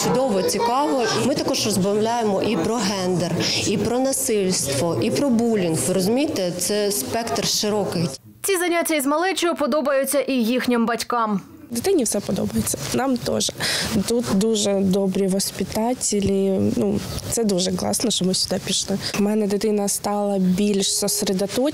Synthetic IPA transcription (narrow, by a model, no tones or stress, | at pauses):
t͡ʃʊd̪ɔʋɔt͡sʲikɑʋɔmɪt̪ɐkɔʒrɔzbɐmlʲajemɔʔipɾɔɦɛnd̪ɛripɾɔnɐsɪlʲst̪ʋɔʔipɾɔbulʲinxʋɪɾɔzʊmʲijt̪et̪sɛspɛkt̪rʃɪɾɔkɪj | t͡sʲizɐnʲatʲːɐizmɐlˠɛt͡ʃɔjʊpɔd̪ɔbɐjʊt͡sʲːɐʔijixnʲɪmbɐtʲkɑm | d̪et̪ɪnʲifsɛpɔd̪ɔ̰bɐjet͡sʲːɐ̥nɑmt̪ɔ̰ʒɛt̪ut̪d̪uʒɛd̪ɔbɾʲiʋɔsʲpʲit̪ɑtʲɪlʲinut̪sɛd̪uʒɛklˠɑ̰snɔʃt͡ʃɔmɪsʲʊd̪ɑpʲiʃlˠɪmɛnɛd̪ɪt̪ɪnɐst̪ɑlˠɐbʲilʲʃsɔsɾed̪ɐt̪ɔ